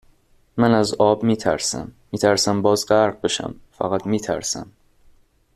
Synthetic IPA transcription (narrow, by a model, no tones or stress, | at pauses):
mænæzɒːbmiːt̪ʰæ̰ɾsæ̰mːiːt̪ʰæɾsæmbɒːzɢæɾʁ̚be̞ʃæ̰mfæ̰ɣæt̪miːt̪ʰæ̰ɾsæ̰m